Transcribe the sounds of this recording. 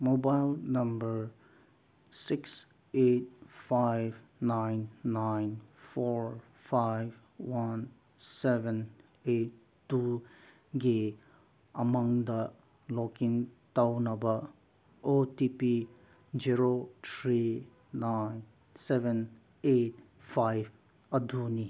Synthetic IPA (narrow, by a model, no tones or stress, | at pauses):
mobaɪlnʌ̃mbəɹ | sɪks | et̚faɪv | nãɪnːãɪ̃nfɔɹ | faɪv | wʌ̃n | sɛvə̃n | et | tːu | ɡe | ʔəmʌ̃ŋd̪ə | lɔkɪ̃ŋtaʊnʌ̃mbə | otipi | d͡ʒiɹot̪ʰɾi | naɪn | sɛvə̃n | et̚ | fajv | əduni